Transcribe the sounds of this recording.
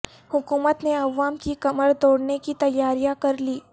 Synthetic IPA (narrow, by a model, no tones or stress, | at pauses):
hukuːmət̪neɐʋːamt͡ɕiːkəməɭd̪oɽnekiːt̪ɐjːaɾjakəɾliː